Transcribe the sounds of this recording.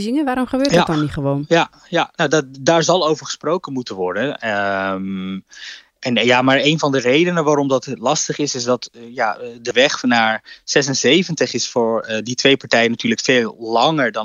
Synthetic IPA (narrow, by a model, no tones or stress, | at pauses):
zɪŋəʋaːɾɔmχəbøːɹdɔnniχəʋownja | janoddaːɹzɑlˠowvəɹχə̥sprowkənmutənʋɔɹdənəm | ɛnjamaːɹejnvɑndərejdənəʋaːɾɔmdɑtlɑstəχɪsɪsdɑtjadəʋɛχnaːɹz̥ɛs̬ənzejvəntəχɪsfʊːɹditʋejpɑɹtɛjənatyːɹləkfeːlˠlɑŋəɹdɑ